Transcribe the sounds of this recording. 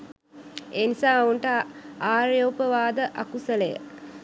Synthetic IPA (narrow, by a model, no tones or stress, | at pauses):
eːnisaːuɳʈəaːɾjoːpəʋaːd̪əʔakusələjə̰